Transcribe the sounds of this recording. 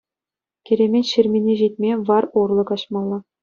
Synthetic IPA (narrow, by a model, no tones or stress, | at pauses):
kʲĕɾʲemʲetʲɕɘ̆rʲmʲinʲeʑit̪ʲmʲeʋɑrurlˠɤ̆kɑɕmɑlˠːɑ